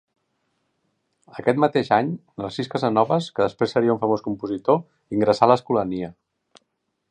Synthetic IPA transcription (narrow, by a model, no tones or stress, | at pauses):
əkɛt̪mət̪eʃaɲnəsiskəzənɔβəskəðəspɾesːəɾiəuɱfəmoskumpuzit̪o | iŋɡɾəsaləskuləniə